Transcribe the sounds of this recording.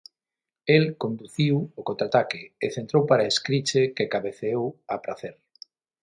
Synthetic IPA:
elkond̪uθiwʊkont̪ɾat̪akɪːθent̪ɾowpaɾaeskɾit͡ʃekekaβeθeowapɾaθeɾ

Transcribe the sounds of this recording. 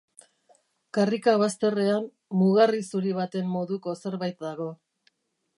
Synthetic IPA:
karikaβ̞ast̪e̞re̞amː | uɣarisuɾiβ̞at̪e̞mːo̞ðuko̞se̞ɾβajt̪̚d̪aɣ̞o̞

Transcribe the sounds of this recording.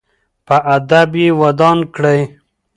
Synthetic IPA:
pəʔad̪abjewad̪ɑnkɽaj

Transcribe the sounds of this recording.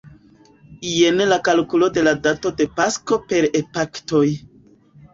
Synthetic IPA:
ijenelakalkulo̞de̞ladato̞de̞pasko̞pe̞ɾepakto̞j

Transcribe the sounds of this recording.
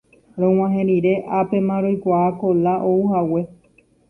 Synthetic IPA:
ɾõw̃ãɦẽɾiɾe̞ʔape̞mãɾojkʷaako̞laʔouhawe̞

